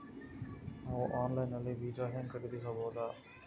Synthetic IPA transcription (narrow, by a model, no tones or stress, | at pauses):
ɦoːʔaːnlaːɪnɐleːʋiːd͡ʒaːɦẽːŋkəɾiːd̪iːs̬ãːboːd̪aː